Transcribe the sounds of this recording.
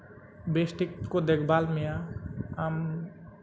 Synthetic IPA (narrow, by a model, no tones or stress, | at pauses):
besʈikːod̪ekʰbaːlmeaam